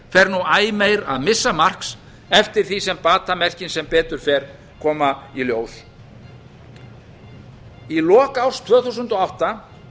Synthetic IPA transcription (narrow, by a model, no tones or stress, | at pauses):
fɛɾnuaːjmejɾa̰ðmɪsːamar̥ks | ɛft̪ɪɾ̥θisɛmpaːt̪amɛr̥cɪnsɛmpɛːt̪ʏɾ̥fɛːɾ̥ | kʰɔːmailjoːws | ilɔːkawst̪ʰvœːθuwsʏnt̪ɔawht̪a